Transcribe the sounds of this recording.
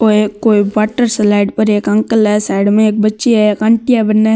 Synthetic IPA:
oekːoːibaːʈəɾslaɪɖpɐɾeːkɐ̃ŋkəlɦɛsaɪɽmẽeːk̚bɐtːʃeɛekãɳʈijabɐnːa

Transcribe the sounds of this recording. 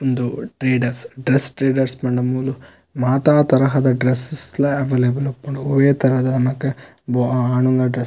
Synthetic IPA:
ond̪uʈɾeːɖɐɾsɖɾesʈɾeːɖɐɾspɐɳɖɐmuːlu | maːt̪aːt̪ɐɾɐɦɐd̪ɐɖɾesislɐɐʋeːlebɐlupɐɳuoʋeːt̪ɐɾɐɦɐd̪ɐnɐmɐkːe | boaːɳuŋɡɐɖɾe

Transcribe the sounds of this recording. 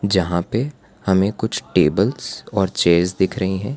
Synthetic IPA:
d͡ʒɐɦãpe | hɐmẽkʊt͡ʃʰʈeːbəlz̥ɔːɾt͡ʃeːzd̪ɪkʰɾɐɦiɦɛ̃ː

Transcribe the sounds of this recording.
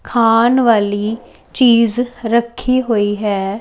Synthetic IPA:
kʰaːnʋaːliː | t͡ʃiːzɾəkʰːiːɦoːiːɦɛː

